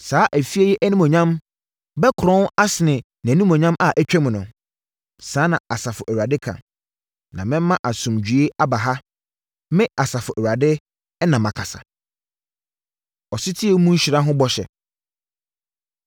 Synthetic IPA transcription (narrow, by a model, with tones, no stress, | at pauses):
saː˨˦ʔæ˨fi˦e˦jɛ˦ʔæ˦nĩ˦mɔ̃˨ɲã˦m | bɛ˦kʰɾɔ̃˦na˦sɪ˨nɪ̃˨ | nã˨nĩ˦mɔ̃˨ɲã˦mʔa˨ʔæ˦t͡ɕᶣɛ˦m̃˨nʊ̃˨ | saː˨˦nã˨a˨sa˨fʊ˨ʔæ˨ɥa˨dɪ˦kʰã̰˨ | nã˨mɪ̃˦m˦mã˦ʔa˨sʊ̃˨md͡ʑᶣɥe˦a˦ba˨ɦa˦ | mɪ̃˦a˨sa˨fʊ˨ʔæ˨wa˨dɪ˦ | nã˨mã˨kʰa˨sa̰˨ | ɔ˨sɪ˦tʰi˦e˦mũ˦ɕᶣɾã˦ɦʊ̃˦bɔ˦ɕɛ̰˨